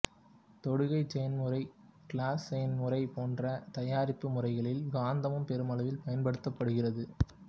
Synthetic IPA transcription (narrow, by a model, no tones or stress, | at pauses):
t̪ɔɽɯɣɐɪt͡ʃɐjɐnmɯrɐɪkɭaːsɛjɐnmɯrɐɪpoːndrɐt̪ɐjaːɾɪpːɯmʊrɐɪɣɐɭɪlɡaːnd̪ɐmɯmpɛɾɯmɐlɐʋɪlpɐjɐnpɐɽɯt̪ːɐpːɐɽɯɣɪrɐðɯ